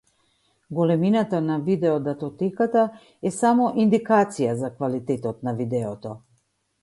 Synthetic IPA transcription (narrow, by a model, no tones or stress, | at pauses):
ɡɔlɛminat̪anavid̪ɛɔd̪at̪ɔt̪ɛkat̪a | ɛsamɔʔind̪ikat̪sijazakvalit̪ɛt̪ɔt̪navid̪ɛɔt̪ɔ